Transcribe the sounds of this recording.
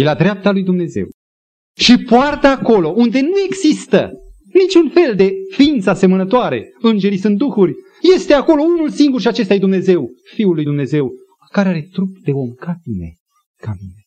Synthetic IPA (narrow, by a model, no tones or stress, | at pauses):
jelad̪ɾeap̚t̪alujd̪umne̞ze̞̰w | ʃipoart̪aːko̞lo̞ʔund̪e̞nue̞ɡz̥ist̪ə̰ | nit͡ʃunfe̞ld̪e̞fiint̪sase̞mənət̪oaɾe̞̰ɨnd͡ʒe̞ɾisɨnt̪̚d̪uxurʲ | je̞st̪e̞ako̞lo̞unulsiŋɡurʃiat͡ʃe̞st̪ajed̪umne̞ze̞wfiulːujd̪umne̞ze̞w | kaɾeaɾe̞t̪ɾup̚d̪e̞o̞mkaminḛ | kamḭne